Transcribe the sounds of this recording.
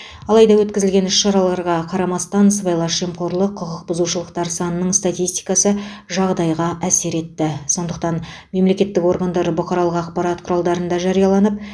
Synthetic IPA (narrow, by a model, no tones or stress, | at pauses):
ɑlˠɑjd̪ɑwɵt̪̚kʲɪzɪlɡʲe̞nʏsʃɑɾɑlˠɑɾʁɑqʰɑɾɑmɑst̪ɑnsvɑjlˠɑʃemqo̞ɾlˠəqʰːʊʁəq̚bʊzuʃəlˠəqt̪ɑɾsɑnənəɴst̪at̪ijst̪i̥jkɑsəʒɑʁd̪ɑjʁɑʔæse̞ɾe̞t̪ːɪso̞nd̪əqt̪ɑn | me̞mle̞kʲe̞t̪ːɪko̞ɾɡand̪ɑɾbʊχqɑɾɑlˠəqɑqpɑɾɑt̪̚qʰʊɾɑlˠd̪ɑɾənd̪ɑʒɑɾijɑlˠɑnəp̚